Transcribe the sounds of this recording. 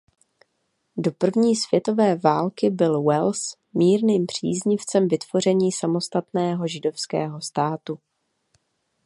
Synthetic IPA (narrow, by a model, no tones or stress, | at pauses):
do̞pr̩vɲiːsv̥jɛt̪o̞vɛːvaːlkɪbɪlwɛls | miːɾniːmpr̝̥ḭːzɲɪft͡sɛmvɪt̪v̥o̞r̝ɛɲiːsamo̞st̪at̪nɛːɦo̞ʒɪdo̞fskɛ̰ːɦo̞st̪aːt̪u